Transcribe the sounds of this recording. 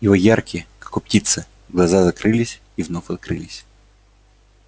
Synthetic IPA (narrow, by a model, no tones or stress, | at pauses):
jɪvojarkʲɪəkɐ̥kop̚tʲit̪sɨ | ɡlˠɐzazɐkɾɨlʲɪsʲ | ivnofɐt̪̚kɾɨlʲɪsʲ